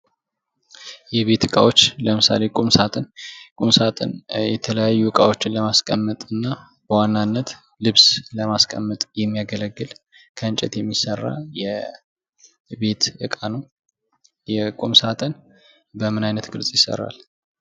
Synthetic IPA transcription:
jɛβe̞t̪ɨkʼa̰wo̞t͡ʃːləmɨsa̰le̞kʼumsat̪ʼənkʼumsat̪ʼə̰njɛt̪ʰələjajːuɨkʼawo̞t͡ʃːɪnləmaskʼəmːət̪ʼɨnːa | b̥əwanːanːət̪ | lɨβsləmaskʼə̰mːət̪ʼjɛmːijaɡələɡːɨl | kʰəɨnt͡ʃʼɛt̪jɛmːisərːa̰jɛ | be̞t̪ɨkʼanəw | jɛkʼumsat̪ʼən | bəmɨnajnət̪ɡɨlsʼjɪsə̰rːa̰l

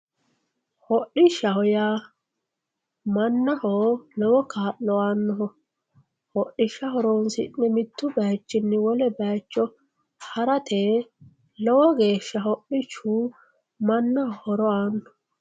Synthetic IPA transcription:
hɔʔɪʃːɐhɔjaː | mɐnːɐhoːlɔwɔkaːʔlɔaːnːɔɦɔ | hɔʔɪʃɐhɔɾɔwnsɪ̰nːɛmɪt̪ːʊbɐjt͡ʃːɪnːɛwɔlɛbɐjt͡ʃːɔ | hɐɾɐt̪ʰeː | lɔwɔɡe̞ːʃːɐhɔʔɪt͡ʃːuː | mɐnːɐhɔhɔɾɔaːnːɔ̥

